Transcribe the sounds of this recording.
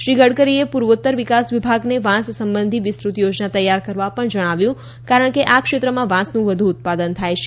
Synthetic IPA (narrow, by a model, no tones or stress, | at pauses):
ʃɾiɡəɽkəɾiepuɾʋət̪ːəɾʋɪkasʋibʱaɡneʋãssəmbənd̪ʱiʋɪst̪ɾut̪jod͡ʒnat̪əjːaɾkəɾʋapəɳd͡ʒəɽ̃aʋjũ | kaɾəɳ̃keʔakʃet̪ɾəmãʋãsnũʋəd̪ʱuːt̪̚pad̪ənt̪ʰajt͡ʃʰe